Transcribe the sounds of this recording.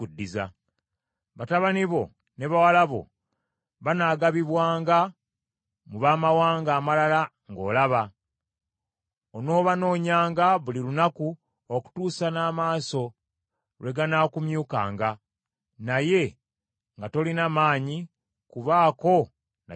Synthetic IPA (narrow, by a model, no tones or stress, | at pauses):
udːiza | βataβaniβo̞ | ne̞βawalaβo̞̰ | βanaːɡaβiβwaːŋɡa | muβaːmawaːŋɡaːmalala | ŋɡo̞ːlaβa | ono̞ːβano̞ːɲaːŋɡaβulilunaku | oku̥tuːsanaːmaːso̞ | lwe̞ɡanakumjuːka̰ːŋɡa | naje̞ | ŋɡato̞linamaːɲi | kuβaːko̞ | na